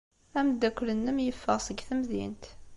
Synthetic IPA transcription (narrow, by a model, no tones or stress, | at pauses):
æmd̪ːækʷːlənːəmjəfːəʁsəɡθəmðḭnt̪